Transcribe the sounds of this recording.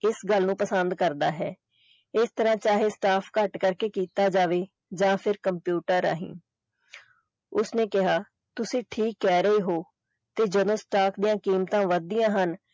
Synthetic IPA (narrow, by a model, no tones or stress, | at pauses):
ɪsɡəlnũːpəsənd̪kəɾd̪aːɦɛː | ɪst̪əɾãːt͡ʃaːɦeːsʈaːpʰkəʈkəɾkeːkiːt̪aːd͡ʒaːʋeː | d͡ʒãːpʰɪɾkəmpjuːʈəɾa̰ːɦḭ̃ː | ʊsnẽːkɪɦaː | t̪ʊsĩːʈʰiːkːɛːɾəiːɦoː | t̪eːd͡ʒəd̪õːsʈaːkʰd̪ijãːkiːmt̪ãːʋəd̪ɪjãːɦən